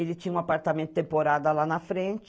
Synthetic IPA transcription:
elɪt͡ʃĩɲũapaɾt̪amẽnt̪ʊ̥t̪ẽmpoɾad̪ɐlanɐfɾẽnt͡ʃ

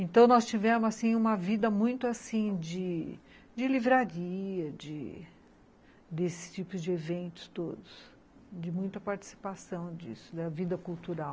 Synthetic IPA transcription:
ẽnt̪ɐ̃w̃nɔst͡ʃivẽmʊzasĩũmɐvid̪ɐmũj̃t̪ʊasĩd͡ʒɪ | d͡ʒɪlivɾaɾiɐd͡ʒɪ | d̪esɪ̥st͡ʃipʊzd͡ʒɪevẽnt̪ʊ̥st̪od̪ʊs | d͡ʒɪmũj̃t̪ɐpaɾt͡ʃi̥si̥pasɐ̃w̃d͡ʒḭsʊ̥d̪ɐvid̪ɐkuwt̪uɾaw

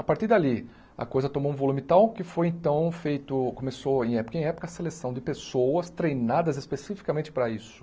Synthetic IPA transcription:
apaɾt̪iɾd̪ali | ɐ̰kojzɐt̪õmoũvolũmɪt̪awkɪfojẽnt̪ɐ̃w̃fejt̪ʊkõmesoẽj̃ɛpʊ̥kɐẽj̃ɛpʊ̥kɐselesɐ̃w̃d͡ʒ̪ɪpesowɐst̪ɾejnad̪ɐzɪspesifi̥kamẽt͡ʃɪ̥pɾɐisʊ̥

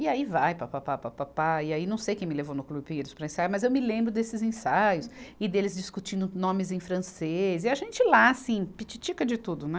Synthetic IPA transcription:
iaivajpapapapapapaɪainɐ̃w̃sejkẽj̃mɪ̃levownʊklubɪpiɾʊspɾɐẽsajamɐzewmɪlẽmbɾʊd̪esɪzẽsajʊsɪd̪elɪzd͡ʒiskut͡ʃĩnd̪ʊnõmɪzẽj̃fɾɐ̃seziaʒẽnt͡ʃɪlasĩpit͡ʃit͡ʃikɐd͡ʒɪt̪ud̪ʊnɛ

